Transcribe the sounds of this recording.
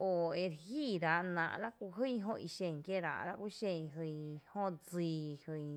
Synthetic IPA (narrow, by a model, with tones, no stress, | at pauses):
o˧e˧ɾhi˦˨ɾa˨ʔnã̰˧˨ʔla˦kʷu˧ɦɨ˦˧ɦõ˧ʔi˧ʃẽ˧˨ŋkje˦ɾa̰˧˨ʔla˧kʷi˦ʃẽ˧ɦɨ˧hõ˦d͡ziː˧˨hɨ˧j